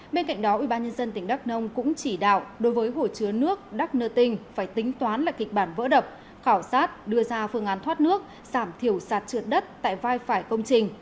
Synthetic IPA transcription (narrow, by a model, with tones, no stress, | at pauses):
ɓe˧nka̰˧˨jŋ̟ɗɔ˨˦ʔwḭ˧˩ɓaː˧nɲə˧nzə˧nt̪ï˧˩ŋ̟ɗa˦˥k̚nə˧wŋ͡mkʊ̰˧˥ŋ͡mt͡ɕi˧˩ɗa̰ː˧˨wɗo˨˦jvəː˨˦jɦo˧˩t͡ɕɨ˨˦ənɨ˦˥ək̚ɗa˦˥k̚nəː˧t̪ï˧ŋ̟faː˧˩jt̪ï˨˦ŋ̟t̪waː˨˦nlaː˨˩kï˨˩k̟̚ɓaː˧˩nvə̰ː˧˥ɗə˨˩p̚ | xaː˧˩wsaː˦˥t̚ɗɨ˧əzaː˧fɨ˧əŋʔaː˨˦nt̪ʰwaː˦˥t̚nɨ˦˥ək̚ | z̥aː˧˩mt̪ʰi˧˩əwsaː˨˩t̚t͡ɕɨ˨˩ət̚ɗə˦˥t̚t̪a̰ː˧˨jvaː˧jfaː˧˩jkə˧wŋ͡mt͡ɕï˧˩ŋ̟